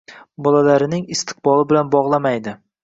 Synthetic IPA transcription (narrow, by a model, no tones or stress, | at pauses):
bɒlalaɾɪnɪŋɪst̪ʰɨ̥qbɒlˠɪbɪlanbɒʁlˠamajd̪ɪ